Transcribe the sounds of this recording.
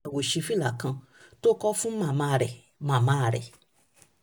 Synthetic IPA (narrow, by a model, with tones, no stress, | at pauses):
wo˨ʃi˧fi˦la˨kã˧ | to˦kɔ˦fũ˦mã˦˨mã˧˦˧ɾɛ˨ | mã˨mã˦˧ɾɛ̰˨